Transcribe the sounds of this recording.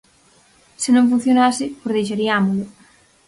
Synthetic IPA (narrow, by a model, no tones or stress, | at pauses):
sɪnõŋfun̟θjonasɪpozðejʃ̬aɾiamolʊ